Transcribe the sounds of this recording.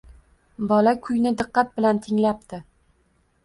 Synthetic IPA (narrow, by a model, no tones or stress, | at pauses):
bɒlakʲʰʊjnɪd̪ɨqːɑt̪̚bɪlant̪ʰɪŋlap̚t̪ʰɪ